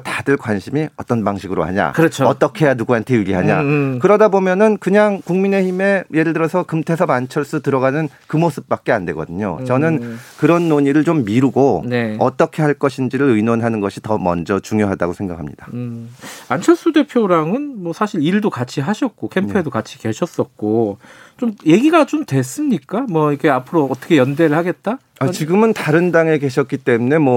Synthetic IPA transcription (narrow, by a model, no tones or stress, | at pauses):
tadɯɭkwanɕʰimiʌt͈ʌnpaŋɕʰiɡɯɾo̰ha̰ɲa̰kɯɾʌt͡ɕʰoʌt͈ʌkʰe̞januɡuɦantʰe̞juɡiɦaɲa̰kɯɾʌdabomjʌnɯnkɯɲaŋkuŋmine̞çime̞je̞ɾɯɭtɯɾʌsʰʌkɯmtʰe̞sʰʌbant͡ɕʰʌɭs͈utɯɾʌɣanɯnkɯmosʰɯ̥p̚p͈ak̚k͈e̞andwe̞ɡʌ̰dɯɲo̰t͡ɕʌnɯnkɯɾʌnːoɲiɾɯɭt͡ɕomːiɾuɡoneʌt͈ʌkʰe̞haɭk͈ʌɕʰind͡ʑiɾɯɾɯjnwonɦanɯnɡʌɕʰitʌmʌ̰nd͡ʑʌt͡ɕuŋjoɦada̰ɡosʰe̞ŋɡa̰kʰamɲḭd̥a | ant͡ɕʰʌs͈ude̞pʰjoɾaŋɯnmwʌsʰaɕʰiɾiɭdokat͡ɕʰiɦaɕʰʌt̚k͈okʰempʰedokat͡ɕʰi̥ke̞ɕʰʌs͈ʌt̚k͈ot͡ɕomje̞ɡiɡat͡ɕomtwe̞s͈ɯmɲik͈amwʌikʰe̞apʰɯɾoːt͈ʰʌkʰe̞jʌndeɾɯɭhaɡe̞t̚t͈a | at͡ɕiɡɯmɯntaɾɯndaŋe̞ke̞ɕʰʌt̚k͈it͈emune̞mwʌ